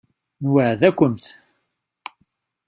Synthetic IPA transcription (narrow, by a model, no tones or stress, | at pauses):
nwəʕðækʷːəmt̪